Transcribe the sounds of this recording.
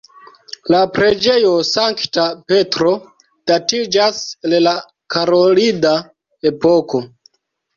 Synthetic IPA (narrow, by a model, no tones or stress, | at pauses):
lapɾe̞d͡ʒe̞jo̞saŋktape̞tɾo̞ | d̥atid͡ʒasella | kʰaɾolida | e̞po̞ko̞